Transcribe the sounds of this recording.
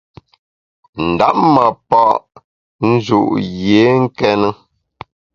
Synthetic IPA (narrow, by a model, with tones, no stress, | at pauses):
n̩˨da˦p̚ma˨pɔ˦˨ʔ | n̩˦zṵ˨ʔje˨˦ŋ̩˦kɛ˦nə˦